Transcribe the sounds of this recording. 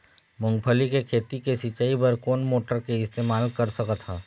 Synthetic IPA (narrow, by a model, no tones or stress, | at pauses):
mʊ̃ŋɡpʰəlikekʰeːt̪ikesit͡ʃaːipəɾkoːnmoːʈəɾkeɪst̪eːmaːlkɐɾsəkət̪ɦaː